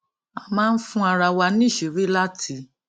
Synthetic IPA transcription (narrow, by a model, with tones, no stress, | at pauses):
a˧mãː˦˧n̩˦fũ˦a˧ɾa˧wa˧nĩ˦˨ʃe˨ɾi˦la˦tʰi˦˧˦